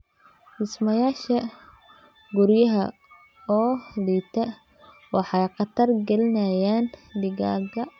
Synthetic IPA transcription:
dɪsmɐjaːʃɐ | ɡʊɾjɐɦɐ | ɔːliːt̪ʰɐ | wɑħɑjqɑt̪ʰɐrɡɐlɪnɐjaːndɪɣaːɡɐ

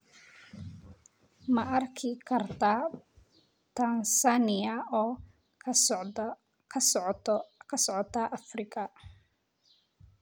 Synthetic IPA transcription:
mɐʔɐrkʰɪkʰɐrt̪ʰa | t̪ʰansanɪjɐ | kʰ | kʰɐsɔʕɔt̪ʰaːʔɐfrɪkʰɐ

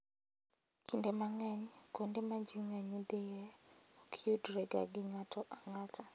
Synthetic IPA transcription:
kindemaŋɛɲkondemad͡ʒiŋɛɲidejɛokʰijudɾeɡa̰ɡɪŋatʰɔʔaŋatʰa

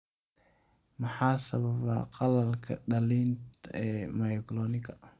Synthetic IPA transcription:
mɐħaːsɐβɐβa̰ːqɑlɐlkʰɐ̰ɖɐliːnt̪ɛːmajɔɡlɔːnɪkʰɐ

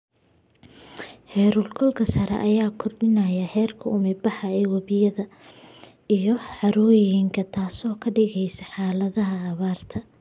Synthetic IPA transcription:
hɛːɾʊlkʰɔlkʰɐsɐɾɛ̰ʔɐjaːkʰɔrɖɪnɐjɐhɛːrkʰɐʊmɪbɑħɑɛwɐβɪjɐðɐ | ijɞʕɑɾujɪŋkʰɐt̪ʰaːsɔːkʰɐɖɪɣɛjsɐħaːlɐðɐɦɐːβaːrt̪ʰɐ

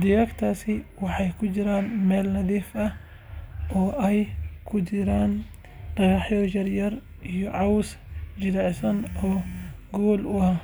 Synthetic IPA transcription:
d̪ɪjɐːkt̪ʰaːsɪwɑħɑjkʰʊt͡ʃɪɾaːnmɛːlnɐðiːfɐh | ɔːʔɛjkʰʊt͡ʃɪɾaːn | d̥ɐɣɑħjɔjɐrjɐr | ijɔʕɑwsd͡ʒɪɾɛʕsɐnɔːɡɔːlʊaː

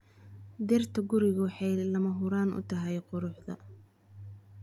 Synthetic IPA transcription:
d̪ɪrt̪ʰɐɡʊɾɪɣɐwħɑjlɐmɐɦʊɾaːnʔʊ̰t̪ʰɐɦɛjqʊɾʊħd̪ɐ̰

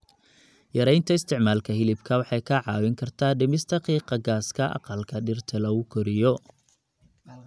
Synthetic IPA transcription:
jɐɾɛjnt̪ʰɐɪst̪ʰɪʕmaːlkʰɐɦɪlɪbkʰɐwɑħɑjkʰɐʕɑːwɪŋkʰɐrt̪ʰaːɖɪmɪst̪ʰɐqiːqɑɡaːskʰɐʔɑ̰qɐlkʰɐɖɪrt̪ʰɐlɐʊkʰɔɾɪjɔ

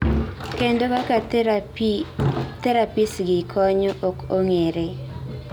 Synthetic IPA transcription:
kendokaka | t̪ɛɾapisɡɪkʰɔɲɔʔokoŋeɾe

